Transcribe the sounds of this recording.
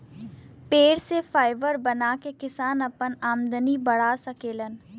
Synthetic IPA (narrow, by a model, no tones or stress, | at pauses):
peːɽsefaːɪʋəɾbɐnaːkekɪsaːnɐpənaːmd̪ənibɐɽ̤asɐkeːlən